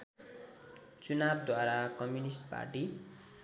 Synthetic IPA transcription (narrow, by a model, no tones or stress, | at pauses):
t͡sunab̚d̪ʱwaɾakʌmjunisʈpa̰rʈi